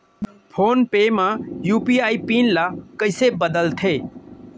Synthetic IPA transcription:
pʰoːnpeːmãːjuːpiːaːiːpiːnlaːkəɪsebəd̪əlt̪ʰeː

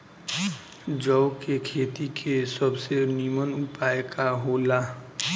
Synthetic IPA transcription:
d͡ʒəʊkekʰeːt̪ikʰesəbsenimənʊpaːjekʰaɦoːlaː

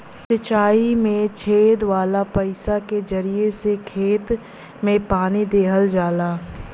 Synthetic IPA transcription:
sɪt͡ʃaːimẽt͡ʃʰeːd̪ʋaːlapəɪsaked͡ʒɐɾijesekʰeːt̪ | mẽpaːnid̪eːɦəld͡ʒaːlaː

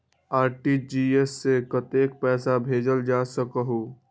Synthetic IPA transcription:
aːɾʈid͡ʒiːesːekət̪eːkpɛːsabʱeːd͡ʒəld͡ʒaːsəkəɦoː

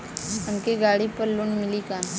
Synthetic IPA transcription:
ɐmkeɡaːɽipɐɾlʊnmɪlikaːn

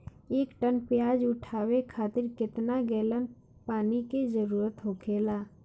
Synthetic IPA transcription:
eːkʈənpjaːd͡ʒʊʈʰaːwekʰaːt̪ɪɾkɪt̪naɡɛːlən | paːnikezəɾuːɾət̪ɦoːkʰeːlaː

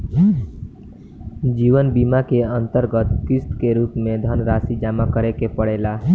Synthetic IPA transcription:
d͡ʒiːʋənbimakeə̃nt̪əɾɡət̪kɪst̪keɾuːpmẽd̪ʱənɾaːsid͡ʒaːmakəɾekepəɽeːla

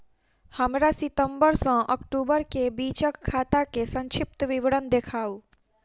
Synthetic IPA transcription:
həmɾasɪt̪əmbəɾsə̃ʔəkʈubəɾkebit͡ʃəkʰːat̪akesə̃ŋt͡ʃʰɪp̚t̪əʋiʋɽənd̪ekʰaːu

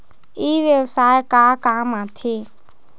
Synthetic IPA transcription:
iːʋjəwsaːjkaːkaːmãːt̪ʰeː

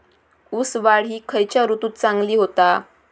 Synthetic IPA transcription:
usʋaɭ̤iːkʰəjt͡ɕjaɾut̪uːt̪̚t͡saŋɡliːɦot̪a

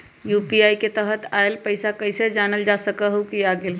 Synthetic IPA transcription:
jupiajket̪əɦət̪aelpəɪsakəɪsed͡ʒanəld͡ʒasəkəɦukiaɡel

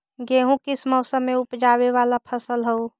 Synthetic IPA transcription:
ɡeɦũkisməʊsəmːeupd͡ʒaβeʋalapʰəsəlɦəu

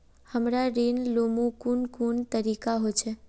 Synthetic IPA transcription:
həmɾaɾenlomukuɳkuɳt̪əɾikaɦojt͡ʃʰe

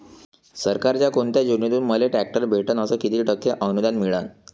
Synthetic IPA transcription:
səɾkaɾt͡ɕjakont̪jad͡ʑunːit̪uːnməleʈæk̚ʈəɾbʱeʈənəsəkit̪iːʈəkːeʔənud̪anmiɭan

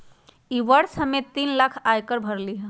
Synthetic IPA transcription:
iʋəɾsəmet̪inlakʰajkəɾbʱəɾliɦɛ̃

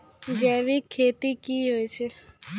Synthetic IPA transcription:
d͡ʒɛ̃ːʋiːkʰeːt̪iːkiːɦoːit͡ʃʰe

